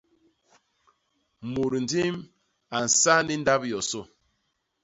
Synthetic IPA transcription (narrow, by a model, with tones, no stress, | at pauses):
mu˨ɾn̩˨di˦m | a˨n̩˨sa˦ni˦n̩˦da˦pjɔ˨sɔ˦˨